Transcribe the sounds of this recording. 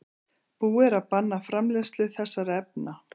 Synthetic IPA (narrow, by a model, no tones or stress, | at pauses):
puːɛɾapanːafɾamlɛst̪lʏθɛsːaɾaɛp̚na